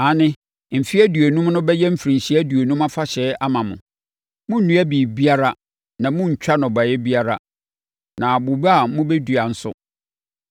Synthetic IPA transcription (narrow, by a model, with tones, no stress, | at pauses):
a˨nɪ̃˦ | m̩˨fi˦æ˦dɥæ˨nũ˦m˦nʊ̃˦bɛ˦jɛ˦m̩˦fɾĩ˨ɲ˨ɕi˦æ˦du˨æ˨nũ˦ma˦fa˦ɕɛ˨˦a˦mã˨mʊ̰̃˨ | mʊ̃˦n̩˦nũ˦æ˦biː˨bi˦a˦ɾa˦ | nã˨mʊ̃˦ɲ̩˨t͡ɕᶣa˦nʊ̃˨ba˨jɛ˦bi˦a˦ɾa˦ | nã˨a˨bʊ˨ba˦a˨mʊ̃˦bɛ˦du˨a˨n̩˦sʊ̰˦